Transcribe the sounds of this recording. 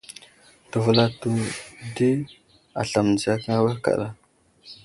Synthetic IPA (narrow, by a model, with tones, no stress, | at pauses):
tə˨və˨la˨tu˨di˦ | a̰˨ɬa˨m˨n˨d͡zi˨ja˦kŋa˦we˦ka̰˨ɗa˦